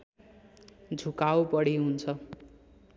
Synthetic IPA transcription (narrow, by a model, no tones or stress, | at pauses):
d͡zʱukawpʌɽiɦunt͡sʰʌ